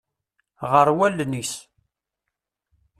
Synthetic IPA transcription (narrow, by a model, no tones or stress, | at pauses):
ʁəɾwælːnis